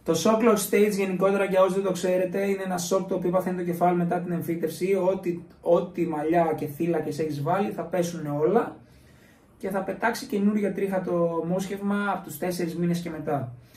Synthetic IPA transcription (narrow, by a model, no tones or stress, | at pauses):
t̪o̞so̞kloɾst̪e̞j̪t͡sʝe̞niko̞t̪e̞ɾɐʝɐo̞zðed̪o̞kse̞ɾe̞t̪e̞ineenɐso̞kt̪oːpiopɐθenit̪o̞ce̞fɐlime̞t̪ɐt̪ine̞ɱfit̪e̞fsiot̪io̞t̪imɐʎɐce̞θilɐce̞se̞çizvɐliθɐpe̞suneo̞lɐ | ce̞θɐpe̞t̪ɐksice̞nuɾʝɐt̪ɾixɐt̪o̞mosçe̞vmɐːpot̪ust̪e̞se̞ɾizmine̞sce̞me̞t̪ɐ